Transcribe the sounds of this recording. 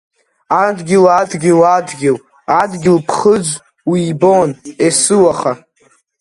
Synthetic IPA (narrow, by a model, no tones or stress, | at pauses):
adɡʲɪladɡʲɪladɡʲɪl | adɡʲɪlpʰχəd͡zʷ | wiːbonesɨwaχa